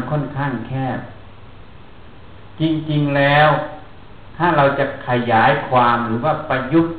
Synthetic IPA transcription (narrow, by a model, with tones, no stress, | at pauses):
kʰɔ˥˨nkʰaː˥˩ŋkʰɛː˥˩p̚ | t͡ɕi˧ŋt͡ɕi˧ŋlɛː˦˥w | t̪ʰaː˥˩ɾa˧wt͡ɕa˨˧˩kʰa˧jaː˩˦jkʰwaː˧mɾɯː˩˦waː˥˩pa˧ju˧˥˩t̪̚